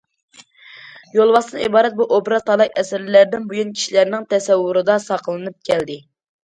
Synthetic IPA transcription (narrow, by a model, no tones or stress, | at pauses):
jolˠwɑsɨnɨibɑːɾɛt̪̚buʔobɾɑt̪ɑlˠɑjɛsɪɾlæɾd̪ɪnbujunkʲʰi̥ʃilæɾnɪŋt̪ʰɛsɛwːuɾɨd̪ɑsɑqlˠɨnɨp̚kʲʰɛld̪ɪ